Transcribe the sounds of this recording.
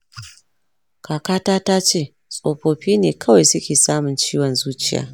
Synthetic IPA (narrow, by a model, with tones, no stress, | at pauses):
kaː˨kaː˦taː˦taː˦t͡ʃeː˦˨ | sʼoː˨ɸoː˨ɸiː˦neː˨kʰɐ˦wa˨jsʊ˦kʲeː˨saː˦mʊ˨nt͡ʃiː˦wɔ˨nzuː˦t͡ʃɪ˦ja̰ː˨˦